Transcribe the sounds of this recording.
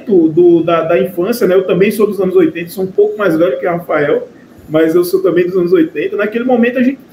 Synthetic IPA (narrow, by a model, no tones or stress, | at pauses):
t̪ʊd̪ʊd̪ɐd̪ɐĩfɐ̃sjɐnɛewt̪ɐ̃mbẽj̃sod̪ʊzɐ̃nʊzojt̪ẽt̪ɐsoũpowkʊmajzvɛlʊkɪhafaɛw | mɐzewsot̪ɐ̃mbẽj̃d̪ʊzɐ̃nʊzojt̪ẽnt̪ɐnakelɪmõmẽt̪ʊɐʒẽnt͡ʃ